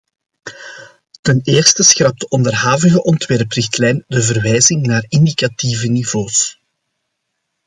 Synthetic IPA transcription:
təneːrstəsxrɑp̚dəʔɔndərɦaːvəɣəʔɔntwɛrprɪxtlɛjndəvərʋɛjzɪŋnaːrɪndikativəniv̥oːs

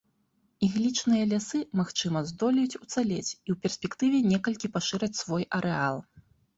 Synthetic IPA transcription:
iɣlʲit͡ʂnɨjɐlʲasɨmaxt͡ʂɨmɐzd̪ɔlʲɛjut͡sʲut̪salʲet͡sʲiwpʲɛrsʲpʲɛkt̪ɨvʲɛnʲɛkɐlʲkʲipaʂɨɾɐt͡sʲsvɔjʔɐɾʔɛalˠ

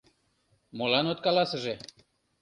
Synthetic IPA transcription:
molɑnot̪kɑlɑsə̆ʒe

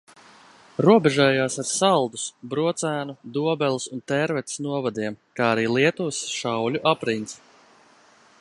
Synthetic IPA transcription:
ɾuɔbɛʒɛːjaːsaɾsalˠd̪usbɾuɔt̪sæːnud̪uɔbɛlˠisunt̪ɛɾvɛt̪snuɔvad̪iɛmkaːaɾiːlˠiɛt̪uːsʃawlʲuʔapɾins

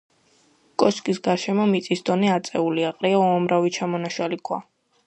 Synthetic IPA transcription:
kʼɔskʼisɡaɾʃɛmɔmit̪sʼisd̪ɔnɛat̪sʼɛuliaqʼɾiauamɾavit͡ʃʰamɔnaʃalikʰwa̰

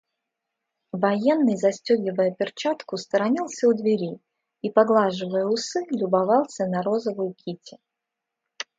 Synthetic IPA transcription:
vɐjenːɨjzɐsʲtʲɵɡʲɪvəjəpʲɪrt͡ɕat̪kʊst̪əɾɐnʲilˠsʲəʊd̪vʲɪɾʲi | ipɐɡlˠaʐɨvəjəʊsɨlʲʊbɐvɑlˠsʲənɐɾo̞zəvʊjʊkʲʰitʲɪ

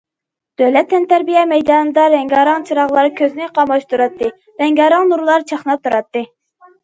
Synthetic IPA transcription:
d̪̥øwlɛt̪ʰːɛnt̪ʰæɾbijɛmɛjd̪ɑːnɨd̪ɑɾɛŋɡʲɑːɾɑŋt͡ʃʰiɾɑʁlˠɑɾkʲʰøznɪqɑmɑʃt̪uɾɑt̪ʰːɨ | ɾɛŋɡʲɑɾɑŋnuɾlˠɑɾt͡ʃʰɑχnɑp̚t̪ʰuɾɑt̪ːɨ

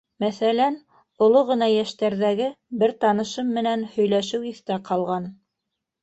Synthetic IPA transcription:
mæθælæn | ŏlˠoʁɤ̆nɑjæʃt̪æɾðæɡɘ | bɘɾt̪ɑnɤ̆ʃɤmːɘ̆nænhɵ̆jlæʃɘwiθt̪æqʰɑlˠʁɑn

